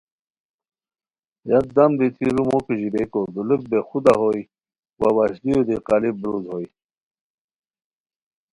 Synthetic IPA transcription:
jat̪̚d̪amd̪it̪iɾumokiʑibekod̪uluk̚bexud̪aɦoj | wawaɕlijod̪iqalibɾuzhoj

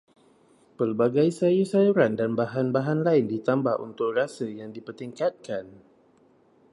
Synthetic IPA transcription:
pərbaɡajsajusajuɾandanbaɦanbaɦanlaɪndit̪ambahṵnt̪ʊk̚rasəjaŋdipərt̪iŋkat̪̚kan

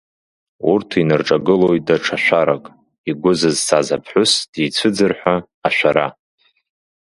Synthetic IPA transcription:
urtʰinɨrʈ͡ʂʼaɡɨlo̞jt̚ʼdaʈ͡ʂʰaʃʷᶣaɾakʼ | iɡʷʊzɨzsʰazapʰħʷʊsd̥ijt͡sʷʰɨd͡zɨrħʷᶣaː | ʃʷᶣaɾa̰

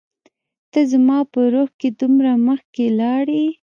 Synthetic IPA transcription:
t̪əzamɑpəɾoxked̪umɾaməxkelɑɽi

